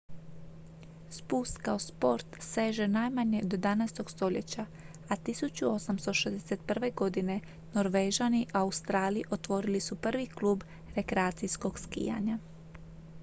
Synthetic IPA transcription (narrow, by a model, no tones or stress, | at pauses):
spust̪kao̞spo̞ɾt̪se̞ːʒe̞najmaɲe̞d̪od̪anast̪o̞ɡ̥st̪o̞ʎe̞̰t͡ɕa | at̪isut͡ɕuo̞samst̪o̞ʃezd̪ese̞t̪̚pr̩ʋe̞ɡo̞d̪ine̞ | no̞ɾʋe̞ʒaniʔaust̪ɾaːliiʔo̞t̪ʋo̞ɾilisupr̩ʋiklˠuːb | ɾe̞kɾeat̪sijsko̞ɡskḭja̰ɲa